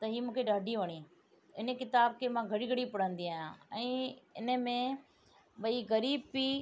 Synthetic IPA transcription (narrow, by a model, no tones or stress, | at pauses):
t̪ɐɦiːmũːkʰeɖaːɖʱiʋɐɽ̃i | ɪnəkɪt̪aːbkʰemãːɡʱɐɽiɡʱɐɽipɐɽ̤ə̃nd̪iaːɦjãɛ̃ːɪnəmẽ | ɓɐiɣɐɾiːbpi